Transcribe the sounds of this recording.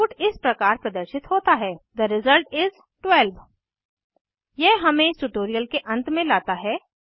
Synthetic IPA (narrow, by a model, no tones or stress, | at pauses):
uːʈɪspɾɐkaːɾpɾɐd̪əɾʃɪt̪ɦoːt̪aɦɛːd̪əɾɪzəlʈɪz | ʈwɛlʋ | jɛɦɦɐmẽsʈuʈoːɾijəlkeʔɐ̃nt̪mẽlaːt̪aɦɛː